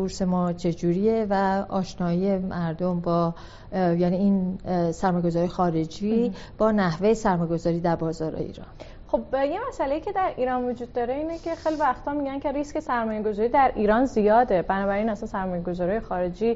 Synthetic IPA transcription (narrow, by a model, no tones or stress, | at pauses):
uɾse̞mɒːt͡ʃʰe̞d͡ʒuːɾievæɒːʃnɒːije̞mʔæɾd̪ombɒː | jæniiːnsæɾmɒːjɡozɒːɾjexɒːɾe̞d͡ʒiː | b̥ɒːnæhvejesæɾmɒːjeɡo̞zɒːɾiːd̪æɾbɒːzɒːɾḛḭːɾɒ̰ːn | xobjemæsælejicʰe̞d̪æɾiːɾɒnvod͡ʒuːd̪̚ːɒɾe̞iːnecʰe̞xejlivæxt̪ʰɒːmiɟæncʰe̞ɾiske̞sæɾmɒːjeɡo̞zɒːɾid̪æɾʔiːɾɒnzijɒːd̪e̞bænɒːbæɾiːnæsænsæɾmɒːjeɡozɒːɾiːjexɒːɾe̞d͡ʒiː